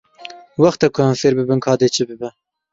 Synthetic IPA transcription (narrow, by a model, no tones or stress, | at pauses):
wɑxt̪ɛkʰʊhæmfeːɾbɨbɨnkʰɑːd̪eːt͡ʃʰɨbɨbɛ